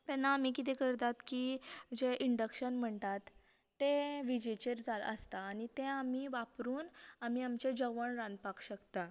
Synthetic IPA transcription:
t̪ɛnːaːmiːkit̪ɛkəɾt̪at̪kiːd͡ʑeʔiɳɖəkɕənm̤əɳt̪at̪ː | eʋid͡ʑet͡ɕeɾd͡zalə̰st̪aːñit̪ẽamiːʋapɾuːnamiːamt͡ɕed͡ʑəʋəɳɾãnd̪̚pakʰɕəkt̪a

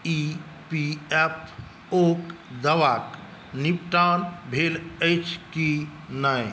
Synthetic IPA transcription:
i | piɛpʰ | okd̪əʋak | nipʈanbʱelət͡ʃʰkinaj

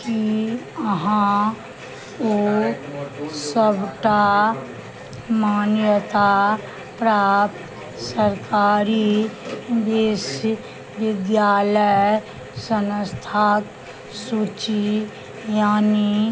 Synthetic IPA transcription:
kiəɦã | o | səbʈa | maːnjət̪a | pɾaːp | səɾkaːɾi | d̪eːʃ | ʋɪd̪jaːləj | sənst̪ʰaːk | sut͡ʃi | jaːni

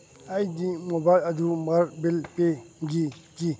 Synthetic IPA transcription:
ajdimobajlɐdumaɾbilpeɡiki

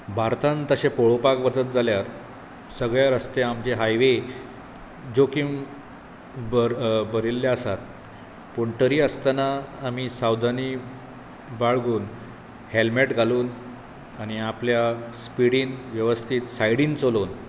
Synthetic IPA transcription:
bʱaɾt̪ãnt̪əɕepoɭopakʋət͡sət̪̚d͡zaljaɾ | səɡɭjaɾəst̪eamt͡ɕeɦajʋe | d͡ʑokim | bəɾilːjaəsat̪̚ | poɳʈəɾiːəst̪anaːmiːsawd̪ʱani | baɭɡuːn | helmeʈɡʱaluːn | aɽ̃niapljaspiɽiːnʋjəʋəst̪ʰiːt̪sajɽiːnt͡soloːn

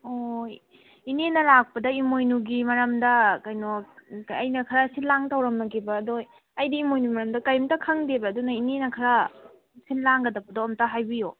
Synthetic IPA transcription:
oj | inenɐlak̚pɐdɐimojnuɡimɐɾɐmdɐkɐjnoɐjnɐkʰɐɾɐsinlaŋtɐwɾɐmnɐɡibɐːdoj | ɐjdiimojnuɡimɐɾɐmdɐkɐjmtɐkʰɐŋdebɐːdunɐinenɐkʰɐɾɐ | sinlaŋɡɐdɐbɐdoɐmtaɦajbijo

